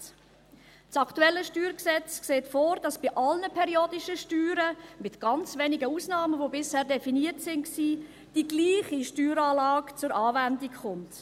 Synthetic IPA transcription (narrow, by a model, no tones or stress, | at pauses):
t͡sɑktuɛlːəʃtyːɾksɛt͡skseːtfoːɾd̥ɑsb̥iʔɑlnəpʰɛɾjoːdiʃəʃtyːɾəmɪtɡ̥ɑnt͡sveːnɪɡəuːsnɑːməvobɪshɛːɾdɛfiniətsɪnksiː | d̥iɡliːχiʃtyːɾɑːlɑːkt͡sʊɾɑːvændikχʊnt